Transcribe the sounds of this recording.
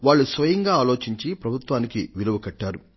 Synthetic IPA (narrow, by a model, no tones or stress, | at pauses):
ʋaːɭːusʋɐjɐŋɡaːlo̞ːt͡ʃiɲt͡ʃipɾɐbʱut̪ʋaːnikiʋiluʋukɐʈːaːɾu